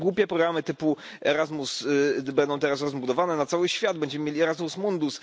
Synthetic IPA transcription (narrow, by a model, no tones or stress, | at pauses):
ɡwupʲjɛpɾɔɡɾamɘt̪ɘpu | ɛɾazmusbɛnd̪ɔ̃w̃t̪ɛɾasɾɔzbud̪ɔvanɛnat̪sawɘɕfʲjad̪̚bɛɲd͡ʑɛmɘmʲjelʲiɛɾazmusmund̪us